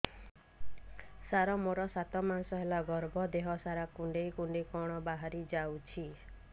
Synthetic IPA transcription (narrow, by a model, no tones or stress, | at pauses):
saɾɔmoɾɔsat̪ɔmansɔɦelaɡɔɾbʱɔd̪eɦɔsaɾakuɳɖejkuɳɖekɔɽ̃ɔbaɦaɾid͡ʒawt͡ʃʰi